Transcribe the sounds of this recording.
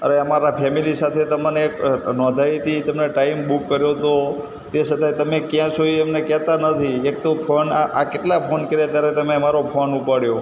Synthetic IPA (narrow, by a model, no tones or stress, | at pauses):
ə̰ɾeəmaɾapʰɛmilisat̪ʰet̪əməneːknɔ̃d̪ʱait̪it̪əmneʈaimbukːəɾjot̪o | t̪esət̪ajt̪əmekjãt͡ʃʰoiɛmnekɛt̪anət̪ʰiek̚t̪opʰonaʔakeʈlapʰonkəɾjat̪jaɾet̪əmeəmaɾopʰonupaɽjo